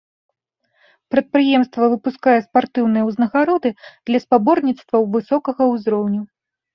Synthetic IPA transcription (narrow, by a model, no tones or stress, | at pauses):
pɾɐt̪̚pɾɨjɛmst̪vɐvɨpuskajɛspart̪ɨwnɨjɐwznɐɣaɾɔd̪ɨd̪̥lʲɐspabɔrnʲit̪st̪vɐwvɨsɔkɐɣɐwzɾɔwnʲu